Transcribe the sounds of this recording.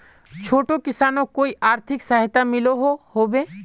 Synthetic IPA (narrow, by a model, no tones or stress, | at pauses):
t͡ʃʰoːʈokɪsaːnõkoːiʔaːɾt̪ʰɪksaɦɪt̪amɪloɦohoːbeː